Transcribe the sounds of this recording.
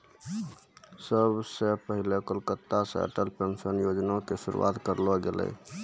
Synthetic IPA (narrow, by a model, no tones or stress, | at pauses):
səbʱsepəɦilekolkət̪ːasə̰ʈəlpensənjod͡ʒnokesuɾṵwa̰t̪kəɾlɔɡelɛ̰